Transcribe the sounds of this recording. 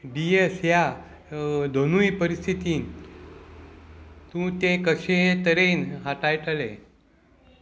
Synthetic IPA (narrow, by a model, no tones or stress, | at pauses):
ɖiesja | d̪ʱonujpəɾist̪ʰit̪iːn | t̪ũt̪ẽkəɕeɦet̪əɾenɦaʈajʈəle